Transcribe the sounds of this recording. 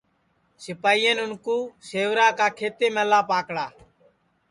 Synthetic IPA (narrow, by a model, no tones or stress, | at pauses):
sɪpaːiːẽːnʊnkuːseːʋɾaːkaːkʰeːt̪eːmeːlaːpaːkɽaː